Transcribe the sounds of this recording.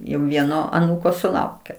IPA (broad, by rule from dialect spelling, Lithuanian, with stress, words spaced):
jɛʊ ˈʋʲiɛnoː ɐˈnuːkoː sʊˈlˠɐʊkʲeː